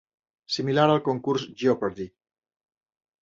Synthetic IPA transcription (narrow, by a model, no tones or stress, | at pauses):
similaɾalkoŋkuɾsʒiopeɾði